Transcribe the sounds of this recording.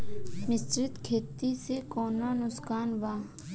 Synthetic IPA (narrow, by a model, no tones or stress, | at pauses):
mɪst̪ɾɪt̪kʰeːt̪ːisekoːnanʊskaːnʋaː